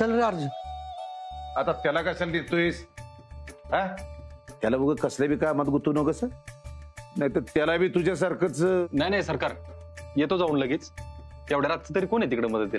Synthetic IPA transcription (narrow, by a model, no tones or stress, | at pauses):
səlɾaɾd͡z | at̪at̪jalakasalnit̪ois | ɦã | t̪jalabəɡəkəslebʱiːkamad̪ɡut̪unokəsə | najt̪əɾt̪jalabʱiːt̪ud͡ʑas̬əɾkət͡snajnajsəɾkaɾjet̪od͡zaunlaɡet͡st̪jaʋɽeɾat̪t͡sət̪əɾiːkoɳet̪ikɽeməd̪ət̪̚d̪ila